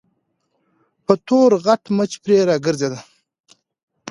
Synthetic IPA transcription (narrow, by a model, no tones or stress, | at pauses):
pət̪oɾɣaʈmət͡ʃpɾeɾɑːɡəɾzed̪a